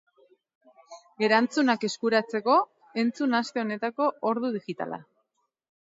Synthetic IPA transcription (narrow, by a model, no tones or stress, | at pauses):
e̞ɾant͡sunake̞skuɾat͡se̞ko̞ | e̞nt͡sunast̪e̞o̞ne̞t̪ako̞oɾðuð̞iɣit̪a̰la̰